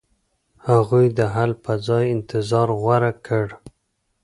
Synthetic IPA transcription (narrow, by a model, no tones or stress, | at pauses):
haɣujd̪əɦalpəzɑjɪnt̪ɪzɑɾɣwaɾakʰəɽ